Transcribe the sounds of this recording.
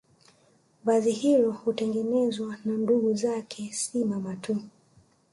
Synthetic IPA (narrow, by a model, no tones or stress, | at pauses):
vazihilɔhutɛŋɡɛnɛzwananduɠuzakʰɛsimamatʰu